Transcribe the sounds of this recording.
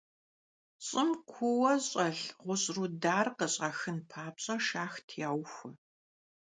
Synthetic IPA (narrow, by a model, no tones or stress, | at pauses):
ɕʼɪmkʷʰʊwɐɕʼɐɬʁʷʊɕʼrudaːrqəɕʼɐxɨnpʰaːpɕʼɐʃaːxtʰjaːwxʷɐ